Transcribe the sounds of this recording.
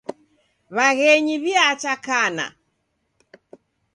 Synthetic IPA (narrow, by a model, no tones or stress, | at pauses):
βaɣɛɲiβiat͡ʃakana̰